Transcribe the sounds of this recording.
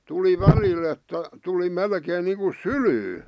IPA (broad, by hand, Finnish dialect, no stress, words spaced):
tuli ʋælil etːæ tuli melkeːn niːŋku sylyː